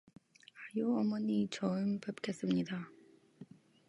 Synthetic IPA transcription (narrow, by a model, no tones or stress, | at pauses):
ajuʌmʌɲit͡ɕʌɯmpep̚kʰe̞s͈ɯmɲida